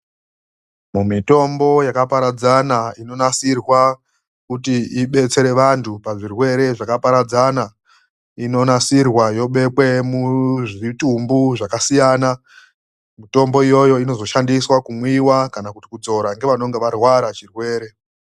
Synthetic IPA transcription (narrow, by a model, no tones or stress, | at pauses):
mumito̞mbo̞jakapaɾad͡zanaino̞nasirwa | kutiiɓe̞t͡se̞ɾe̞ʋantʰupaʐirwe̞ɾe̞ʐakapaɾad͡zana | ino̞nasirwajo̞ɓe̞kwe̞muʐitumbuʐakasijaːna | mito̞mbo̞ijo̞jo̞ino̞zo̞ʃandiswakumwiwakanakutikud͡zo̞ɾaŋɡeʋano̞ŋɡe̞ʋarwaɾat͡ʃirwe̞ːɾe̞